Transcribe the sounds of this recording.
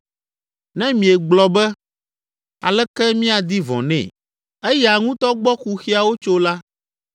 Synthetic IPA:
nɛ̃˦mĩ˨ɛ˨ɡ͡blɔ˨bɛ˦ | a˨lɛ˦kɛ˦mĩ˦a˨d̪i˦vɔ̰̃˨nɛ̰̃˨ | ɛ˦jɛ˨a˨ŋũ˦t̪ɔ˦ɡ͡bɔ˦ku˨xi˦a˨wo˦t͡ʃo˦la˦

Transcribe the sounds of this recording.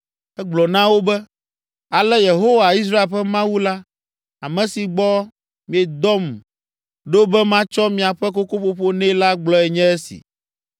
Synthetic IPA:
ɛ˦ɡ͡blɔ˨nã˦wo˦bɛ˦ | a˨lɛ˦je˨ɦo˦wa˨i˦s̬ɾa˦e˨lɸɛ˦mã˦wu˦la˦ | a˨mɛ̃˨si˨ɡ͡bɔ˦ | mĩ˨ɛ˨d̪ɔ˦m˨ | ɖo˦bɛ˦mã˦t͡ʃɔ˦mĩ˨a˨ɸɛ˦ko˦ko˦ɸo˦ɸo˦nɛ̃˦la˦ɡ͡blɔ˦ɛ˨ɲɛ̃˦ɛ˦sḭ˨

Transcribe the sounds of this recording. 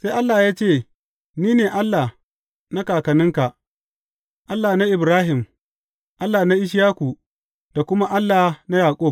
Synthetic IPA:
se˦jʔa˦lːaː˨jaː˦t͡ʃeː˦˨ | niː˦neː˨ʔa˦lːa˨ | na˦kaː˨kɐ˨nɪ˦ŋka˨ | ʔa˦lːaː˨na˦ʔɪ˨bɾaː˦ɦɪ˨m | ʔa˦lːaː˨na˦ʔɪ˦ʃ̬jaː˦kʷu˨ | d̥a˨kʷʊ˦ma˦ʔa˦lːaː˨na˦jaː˨kʷʼʊ˦˨

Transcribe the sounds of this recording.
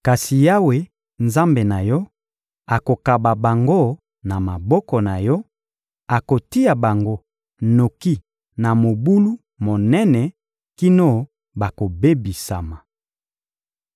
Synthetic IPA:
ka˨si˨ja˦we˦ | nza˦mbe˨na˨jɔ˦ | a˨ko˨ka˨ba˨ba˨ŋɡo˦ | na˨ma˨bɔ˦kɔ˨na˨jɔ˦ | a˨ko˨ti˦ja˨ba˨ŋɡo˦ | no˨ki˦ | na˨mo˨bu˦lu˦ | mo˨nɛ˦nɛ˨ | ki˦no˦ | ba˨ko˨be˦bi˨sa̰˨ma˨

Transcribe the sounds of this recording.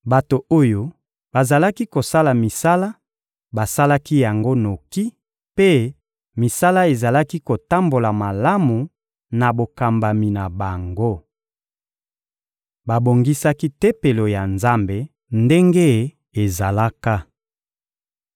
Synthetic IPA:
ba˨to˨o˦jo˦ | ba˨za˨la˦ki˦ko˨sa˦la˨mi˨sa˦la˦ | ba˨sa˦la˦ki˦ja˨ŋɡo˦no˨ki˦ | pe˦ | mi˨sa˦la˦e˨za˨la˦ki˦ko˨ta˦mbo˨la˨ma˨la˦mu˨ | na˨bo˨ka˨mba˨mi˨na˨ba˨ŋɡo˦ | ba˨bo˨ŋɡi˦sa˦ki˦tɛ˦pe˨lo˨ja˨nza˦mbe˨ | nde˦ŋɡe˦ | e˨za˨la˦ka˦

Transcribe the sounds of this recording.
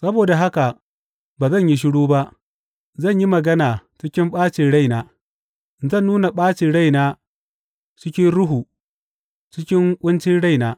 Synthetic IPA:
sɐ˦boː˨da˨ɦa˦ka˨ | baː˨zɐ˦˨ɲji˦ʃ̬ɪ˦ɽuː˦ba˦ʔ | zɐ˦˨ɲji˦mɐ˨ɡɐ˦naː˨t͡ʃɪ˦kʲɪ˦mɓaː˦t͡ʃɪ˨ɽa˦jnaː˨ | zɐ˦˨nːuː˦na˨ɓaː˦t͡ʃi˨ɽa˦jnaː˦ | t͡ʃɪ˦kʲɪ˦nɽʊ˦ɦuː˨ | t͡ʃɪ˦kʲɪ˦ŋkʷʼʊ˦nt͡ʃɪ˦nɽa˦jnaː˦

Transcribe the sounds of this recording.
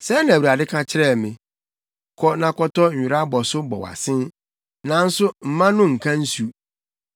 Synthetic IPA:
sɛ˦nã˨wa˨dɪ˦kʰã˦t͡ɕʰɪ˦ɾɛ˦˨mɪ̃˨ | kʰɔ˦nã˨kɔ˦tɔ˦ɲ̩˨ɥi˨ɾa˦bɔ˨sʊ˦bɔ̰˨wa̰˨sɪ̃˦n | nã˨n̩˦sʊ˦m̩˨mã˦nʊ̃˦ŋ̩˨kʰã˦n̩˦su˨

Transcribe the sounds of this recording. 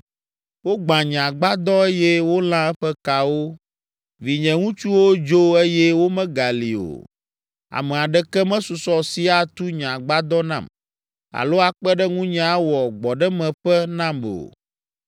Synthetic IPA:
wo˦ɡ͡bã˨ɲã˨ɡ͡ba˦d̪ɔ˦ɛ˦jɛ˦wo˦l̃ã˦ɛ˦ɸɛ˦ka˨wo˦ | vi˨ɲɛ̃˨ŋũ˦t͡ʃu˦wo˦d͡ʒo˦e˦jɛ˦wo˦mɛ̃˦ɡa˨lḭ˨o̰˨ | a̰˨mɛ˨a˨ɖɛ˦kɛ˦mɛ̃˦su˨sɔ˦si˦a˦t̪u˦ɲã˨ɡ͡ba˦d̪ɔ˦nã̰˦˨m | a̰˨lo˦a˨k͡pɛ˦ɖɛ˦ŋũ˦ɲã˨˦wɔ˨ɡ͡bɔ˨ɖɛ˦mɛ̃˨ɸɛ˦nã˦mo̰˨

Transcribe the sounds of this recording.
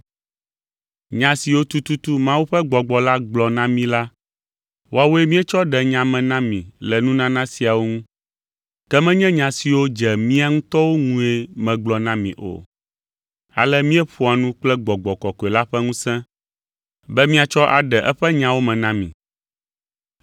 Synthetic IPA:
ɲã˨si˨wo˦t̪u˦t̪u˦t̪u˦mã˦wu˦ɸɛ˦ɡ͡bɔ˨ɡ͡bɔ˨la˦ɡ͡blɔ˨nã˦mĩ˦la˦ | wo˦a˨wo˦e˦mĩ˦ɛ˦t͡ʃɔ˦ɖɛ˨ɲã˨mɛ̃˨nã˦mĩ˨lɛ˨nũ˦nã˦nã˦si˨a˨wo˦ŋũ˦ | kɛ˦mɛ̃˦ɲɛ̃˦ɲã˨si˨wo˦d͡ʒɛ˨mĩ˦a˦ŋũ˦t̪ɔ˦wo˦ŋũ˦e˦mɛ̃˨ɡ͡blɔ˨nã˦mḭ̃˨ʔo̰˨ | a̰˨lɛ˦mĩ˦ɛ˦ɸu˦a˨nũ˦k͡plɛ˦ɡ͡bɔ˨ɡ͡bɔ˨kɔ˨kɔ˨e˨la˦ɸɛ˦ŋũ˦sɛ̃˦ | bɛ˦mĩ˦a˨t͡ʃɔ˦ʔa˨ɖɛ˨ʔɛ˦ɸɛ˦ɲã˦wo˦mɛ̃˨nã˦mĩ˨

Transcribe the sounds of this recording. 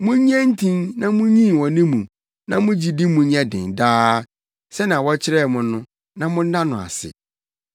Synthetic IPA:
mʊ̃˦ɲ˦ã˦n̩˦tʰĩ˦nnã˦mũ˦ɲĩ˦˨wɔ̃˨nɪ̃˦mũ˨ | nã˦mʊ̃˦d͡ʑi˨di˦mũ˨ɲ˦ã˦dɪ̃˨ndaː˦ | sɛ˦nã˨wɔ˦t͡ɕʰɪ˦ɾɛ˦˨mʊ̃˨nʊ̃˦ | nã˦mʊ̃˦n̩˦dã˦nʊ̃˨a̰˨sɪ̰˨

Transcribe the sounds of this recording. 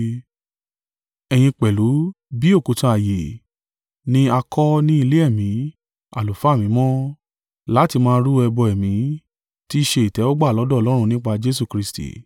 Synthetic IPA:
ɛ˨j̃ĩ˧k͡pɛ˨lu˨˦ | bi˦o˦˨ko˨˧tã˧a˨je˨ | nĩ˦a˧kɔ˦nĩ˦i˧le˦ɛ˦˨mĩ˨˦ | a̰˨lu˨fa˨˦˨mĩ˨˦mɔ̃˦ | la˦ti˧mãː˦˧ɾu˦ɛ˧bɔ˧ɛ˨mĩ˨˦ | ti˦ʃe˧i˨tɛ˨˦ɔ˦ɡ͡ba˦˨lɔ˨˦dɔ˦ɔ˧˨lɔ˦ɾ̃ũ˧nĩ˦k͡pa˧d͡ʒe˦s̬u˧kɾi˧stḭ˨

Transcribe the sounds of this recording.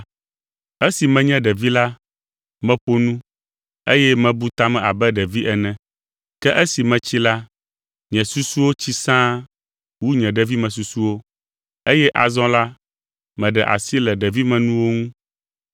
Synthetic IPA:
e˦si˨mɛ̃˨ɲɛ̃˦ɖɛ˨vi˦la˦ | mɛ̃˦ɸo˦nũ˦ | e˦jɛ˦mɛ̃˨bu˦t̪a˦mɛ̃˨a˨bɛ˦ɖɛ˨vi˦ʔɛ˨nɛ̃˨ | kɛ˦ʔe˦si˨mɛ̃˨t͡ɕi˦la˦ | ɲɛ̃˨su˦su˦wo˦t͡ɕi˦sã˦ | wu˦ɲɛ̃˨ɖɛ˨vi˦mɛ̃˨s̬u˨su˦wo˦ | e˦jɛ˦ʔa̰˨zɔ̃˦la˦ | mɛ̃˨ɖɛ˨ʔa̰˨si˦lɛ˨ɖɛ˨vi˦mɛ̃˨nũ˦wo˦ŋũ˦

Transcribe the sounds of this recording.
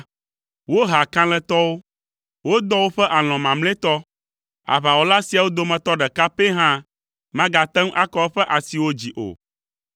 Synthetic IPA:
wo˦ɦa˨kã˦l̃ɛ̃˦t̪ɔ˦wo˦ | wo˦d̪ɔ˦wo˦ɸɛ˦ʔa˨l̃ɔ̃˨mã˨mlɛ̃˦t̪ɔ˦ | a̰˨βa˨wo˦la˦si˨a˨wo˦d̪o˦mɛ̃˨t̪ɔ˦ɖɛ˨ka˦pe˦ɦã˦ | mã˦ɡa˨t̪ɛ˦ŋ˦ʔa˦kɔ˦ɸɛ˦ʔa˨si˨wo˦d͡ʑi˨ʔo̰˨

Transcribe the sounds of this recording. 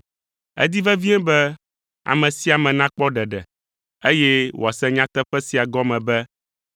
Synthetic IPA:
ɛ̰˦d̪i˦vɛ˦vi˦ɛ̃˦bɛ˦ | a̰˨mɛ̃˨si˦a˨mɛ̃˨nã˦k͡pɔ˦ɖɛ˨ɖɛ̰˨ | e˦jɛ˦wo˨a˨sɛ˦ɲã˦t̪ɛ˦ɸɛ˦si˨a˨ɡɔ˦mɛ̃˨bɛ˦

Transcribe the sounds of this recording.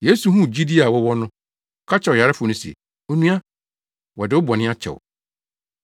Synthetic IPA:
je˦su˨ɦũ˦˨d͡ʑi˦di˦a˨wɔ˦wɔ˦nʊ̃˦ | ɔ˨˦kʰa˦t͡ɕʰɛ˨wja˨ɾɪ˦fʊ˨nʊ̃˦sɛ̰˨ | o˦nũ˦a˦ | wɔ˨dɪ˨wʊ˦bɔ˨nɪ̃˦a˦t͡ɕʰɛ̰˨w̰

